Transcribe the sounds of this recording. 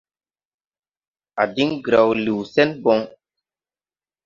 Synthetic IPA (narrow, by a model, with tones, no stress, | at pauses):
a̰˨di˦ŋɡɾa˨wlu˨wsɛ˦nbɔ˨˦ŋ